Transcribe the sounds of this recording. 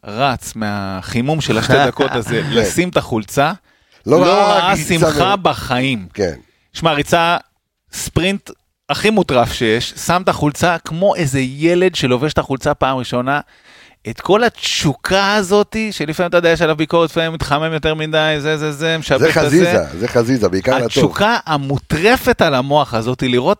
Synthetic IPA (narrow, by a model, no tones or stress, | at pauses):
ʁat͡smeaχimumʃelaʃtte̞d̪ako̞t̪azelesimt̪aχult͡sa | loloʁaasimχabaχaimkḛn | ʃmaʁit͡sa | spʁint | aχimutʁafʃe̞je̞ʃsamt̪aχult͡sakmo̞ʔezeje̞le̞dʃe̞lo̞veʃt̪aχult͡sapaːmʁiʃo̞na | et̪ko̞latt͡ʃukʰaazo̞t̪iʃelifamimat̪ad̪ajeʃ̬alavbiko̞ʁet̪faimit̪χamemjo̞t̪eʁmidajzezezemeʃazeeziza̰zeχazizabeikaaatt͡ʃukaamut̪ʁe̞fe̞talamo̞aχazo̞tiliʁo̞t̚